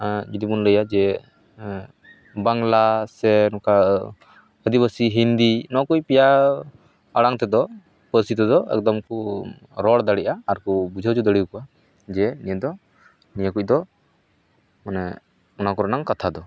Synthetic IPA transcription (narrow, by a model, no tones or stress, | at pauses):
d͡ʒid̪ibunləjad͡ʒɛ | baŋlasɛnɔka | əd̪ibəsiɦind̪inɔkujpija | aɽaŋt̪ɛd̪ɔ | pəsit̪ɛd̪ɔɛ̰k̚d̪ɔmku | ɾɔɽd̪aɽiʔaːɾkubud͡ʒʱəd͡ʒud̪əɽiwkɔa | d͡ʒɛnijɛd̪ɔ | nijəkuc̚d̪ɔ | manɛ | ɔnakɔɾanaŋkat̪ʰad̪ɔ